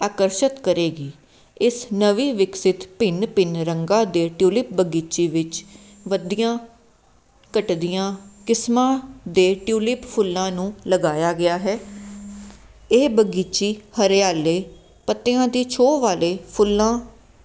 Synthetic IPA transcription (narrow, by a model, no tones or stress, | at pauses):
aːkəɾʃət̪kəɾeːɡiː | ɪsnəʋiːʋɪksɪt̪pɪnpɪnɾəŋɡãːd̪eːʈjuːlɪp̚bəɡiːt͡ʃiːʋɪt͡ʃ | ʋəd̪ijãː | kəʈd̪ijãːkɪsmãːd̪eːʈjuːlɪppʰʊlːãːnũːləɡaːjaːɡɪaːɦɛː | eːbəɡiːt͡ʃiːhəɾjaːleː | pət̪ːeːãːd̪iːt͡ʃʰoːʋaːleːpʰʊlːãː